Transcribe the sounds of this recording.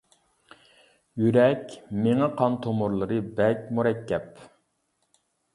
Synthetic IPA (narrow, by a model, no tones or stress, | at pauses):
jyɾɛkʲmeŋɛqʰɑnt̪ʰomuɾlˠɨɾɨbɛkʲmuɾɛkʰʲːɛp